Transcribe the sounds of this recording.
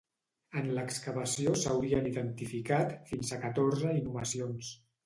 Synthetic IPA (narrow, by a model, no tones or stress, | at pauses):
ənləkskəβəsiosəwɾiəniðənt̪ifikat̪finzəkət̪oɾzəinuməsions